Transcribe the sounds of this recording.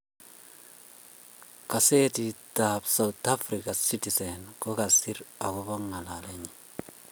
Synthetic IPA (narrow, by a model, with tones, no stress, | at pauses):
ka˨se˦titabsa˨uta˦fɾika˨si˦ti˨senko˦ka˨si˦ɾa˨ko˦bo˦ŋːa˨la˨le˦ɲi˨